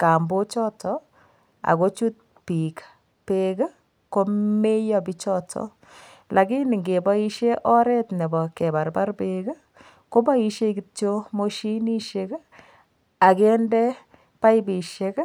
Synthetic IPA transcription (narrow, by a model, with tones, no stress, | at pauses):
ka˨mbo˦t͡ʃɔ˦tʰɔ˨ | a̰˨ko˦t͡ʃu˦t̚ | pi˨k | pek | ko˦me˦jɔ˦bi˦t͡ʃɔ˦tʰɔ̰˨ | lʔa˨ki˦ni˨ŋɡe˨bɔ˦i˦ʃe˦ʔɔ˦ɾɛ˦tnɛ˨bɔ˨ke˨ba˨rba˦rpeɡə˦ | ko˦ba˦i˦ʃe˦ki˦t͡ʃo˦mo˦ʃi˦ni˦ʃek | a˨kɛ˦ndɛ˦ | pa˦jbi˨ʃe˦k